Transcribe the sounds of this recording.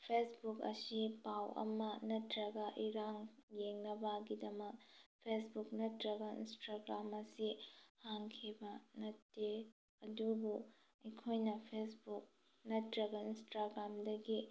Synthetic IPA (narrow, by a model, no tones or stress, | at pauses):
pʰesbukɐ̰sipawʔɐ̰mɐnɐtɾɐɡɐʔiɾaŋjeŋnɐbɐɡidɐmɐk̚pʰesbuk̚nɐtɾɐɡɐḭnstaɡɾamɐsihaŋkʰibɐnɐtːe | ɐdubu | ɐjkʰojnɐpʰesbuk̚ | nɐtɾɐɡɐinstaɡɾamdɐɡi